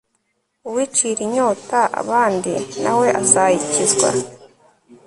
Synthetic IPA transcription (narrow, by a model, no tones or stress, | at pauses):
uwit͡ʃiɾiɲoːtaʔa̰βaːndinawe̞ʔasaicizɡwa̰